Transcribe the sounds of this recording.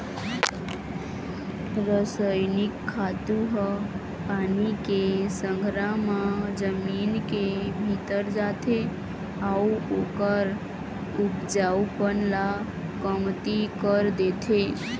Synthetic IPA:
ɾəsəjnikʰːat̪uɦə | panikesəŋɡʱɾamad͡ʒəminkebʱit̪əɾd͡ʒat̪ʰe | auokəɾ | upd͡ʒawpənla | kəmt̪ikəɾd̪et̪ʰe

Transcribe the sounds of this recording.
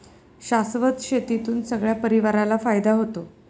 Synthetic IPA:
ɕasʋət̪ɕet̪it̪uːnsəɡɭjapəɾiʋaɾalafajd̪aɦot̪o

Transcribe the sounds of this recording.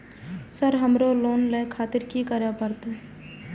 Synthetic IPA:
səɾɦəmɾoloːnleːkʰaːt̪ɪɾkikəɾapəɾt̪ː

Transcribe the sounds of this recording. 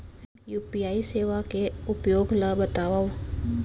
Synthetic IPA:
juːpijaːiseːʋakeʊpjoːɡlabət̪aːʋao

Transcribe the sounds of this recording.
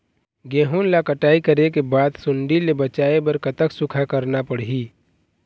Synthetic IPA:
ɡeːɦunlakəʈaːikəɾekebaːd̪sʊɳɖilebət͡ʃaːebɐɾkət̪əksʊkʰakəɾnapəɽɦiː

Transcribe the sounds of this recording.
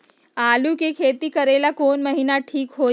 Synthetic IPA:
alukekʰet̪iːkəɾelakonməɦinaʈʰiːkɦo

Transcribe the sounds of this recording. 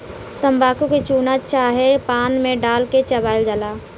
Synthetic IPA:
t̪əmbaːkuket͡ʃuːnat͡ʃaːɦepaːnmẽɖaːlket͡ʃəbaːɪld͡ʒəlaː

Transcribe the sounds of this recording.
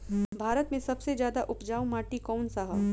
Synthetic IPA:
bʱaːɾət̪mẽsɐbsezjaːd̪aʔʊpd͡ʒaːũmaːʈikɔːnsaɦəʋ

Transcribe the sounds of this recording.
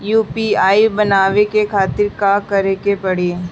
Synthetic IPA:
juːpiaːibɐnaːʋekekʰaːt̪ɪɾkakɐɾekepɐɽ̤eː

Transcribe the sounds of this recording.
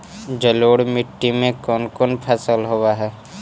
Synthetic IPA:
d͡ʒəloːɽmɪʈːimẽkɔːnkɔːnpʰɛsəlɦowaɦɛː

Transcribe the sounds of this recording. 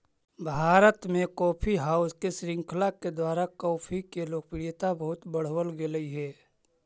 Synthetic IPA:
bʱaːɾət̪mẽkɔːpʰiɦaːʊskesɾɪ̃ŋkʰlaked̪waːɾakɔːpʰikeloːɡ̚pɪɽijt̪abɐɦʊt̪bəɽ̤wəlɡeləiɦɛː

